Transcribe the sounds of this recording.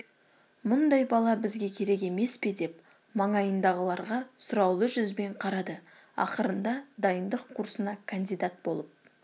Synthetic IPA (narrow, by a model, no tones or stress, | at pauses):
mʊnd̪ɑjbɑlˠɑbɪzɡʲe̞kʲʰe̞ɾe̞k̬e̞me̞spe̞d̪e̞p | mɑɴɑjənd̪ɑʁəlˠɑɾʁɑsʊɾɑwlˠəʒʏzbe̞ɴqʰɑɾɑd̪ə | ɑ̰qəɾənd̪ɑd̪ɑjənd̪əqʰːuɾsənɑkʰand̪ijd̪at̪̚bo̞̰lˠəp̚